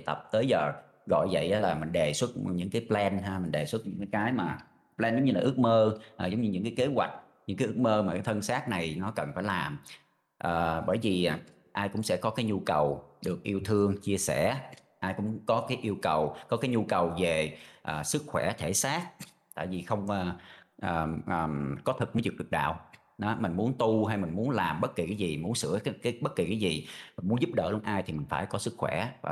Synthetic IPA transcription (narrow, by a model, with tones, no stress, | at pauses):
jt̪ə̰˨˩p̚t̪əː˨˦jzəː˨˩ | ɣɔ̰˧˨jzə̰˧˨jʔəː˨˦laː˨˩mï˨˩ŋ̟ɗe˨˩swə˦˥t̚ɲɨ̰˧˥ŋkaː˨˦jplɛ˧nɦaː˧mï˨˩ŋ̟ɗe˨˩swə˦˥t̚ɲɨ̰˧˥ŋkaː˨˦jkaː˨˦jmaː˨˩ | plɛː˧nzə˨˦ŋ͡mɲɨ˧laː˨˩ʔɨ˦˥ək̚məː˧ʔzə˨˦wŋ͡mɲɨ˧ɲɨ̰˧˥ŋkaː˨˦jke˨˦ɣwa˨˩jk̟̚ | ɲɨ̰˧˥ŋkaː˨˦ʔɨ˦˥k̚məː˧maː˨˩kaː˨˦jt̪ʰə˧nsaː˦˥t̚na˨˩jnɔ˨˦kə˨˩nfaː˧˩jlaː˨˩m | ʔəː˨˩ɓəː˧˩jvi˨˩˨ | ʔaː˧jkʊ̰˧˥ŋ͡msɛ̰˧˥˩kɔ˨˦kaː˨˦jɲu˧kə˨˩wɗɨ˨˩ək̚ʔi˧əwt̪ʰɨ˧əŋt͡ɕi˧əsɛ̰˧˩ | ʔaː˧jkʊ̰˧˥ŋ͡mkɔ˨˦kaː˨˦jʔi˧əwkə˨˩wkɔ˨˦kaː˨˦jɲu˧kə˨˩wve˨˩ʔəː˨˩sɨ˦˥k̚xwɛ˧˩t̪ʰe˧˩saː˦˥t̚ | t̪a̰ː˧˨jvi˨˩xə˧wŋ͡məː˨˩ʔəː˨˩ʔəː˨˩kɔ˨˦t̪ʰɨ˨˩k̚mṵ˧˨˦jzi˨˩ɗɨ˨˩k̚ɗa̰ː˧˨w | ɗɔ˨˦mï˨˩ŋ̟mu˨˦nt̪u˧ɦaː˧jmï̟˨˩mu˨˦ənlaː˨˩mɓə˦˥t̚ki˨˩kaː˨˦jzi˨˩mu˨˦ənsɨ̰˧˥əkːkaː˨˦ɓə˦˥t̚ki˨˩kaː˨˦jzi˨˩mi̟˨˩mu˨˦nzu˦˥p̚ɗə̰ː˧˩lənʔaː˧jt̪ʰi˨˩mï˨˩ŋ̟faː˧˩jkɔ˨˦sɨ˦˥k̚xwɛ˧˩˨